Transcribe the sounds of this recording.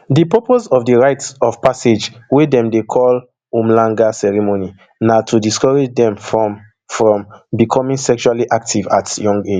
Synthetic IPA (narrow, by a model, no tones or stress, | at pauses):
dipɔposɔvdiɹajtsɔvpased͡ʒwedɛ̃mdekʰɔl | õmlãŋɡasɛɹimoni | natʰudiskɔɹed͡ʒdɛ̃mfɔ | fɹɔ̃mbikʰɔ̃mĩŋsɛkʃualiʔak̚tʰivatjɔ̃ŋɡed͡ʒ